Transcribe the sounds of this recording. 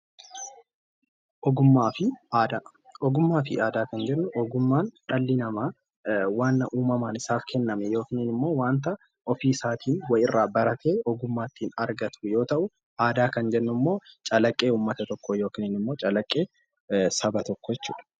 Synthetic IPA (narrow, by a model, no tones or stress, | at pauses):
ʔɔɡʊmːaːfɪʔaːd̪aː | ɔɡʊmːaːfɪ̰ʔaːd̪aːkɐnd͡ʒɛnːʊʔɔɡʊmːaːnᶑɐlːɪnɐmaː | waːnːɐʔuːmɐmaːnɪsaːfkʰɛnːɐmɛjo̞ːkɪnɪnɪmːo̞ːwaːnt̪ɐ | ʔɔfiːsaːt̪ʰiːnwɐjɪrːaːbɐɾɐt̪e̞ːɔɡʊmːaːt̪ːiːnɐɾɡɐt̪ʊjo̞ːt̪ɐʔʊ | ʔaːd̪aːkɐnd͡ʒɛnːʊmːo̞ːt͡ʃʼɐlɐkʼːe̞ːuːmːɐt̪ɐt̪ɔkʰːojo̞ːkɪnɪnɪmːo̞ːt͡ʃʼɐlɐkʼːe̞ː | sɐbɐt̪ɔkːɔjɛt͡ʃːṵːᶑɐ̥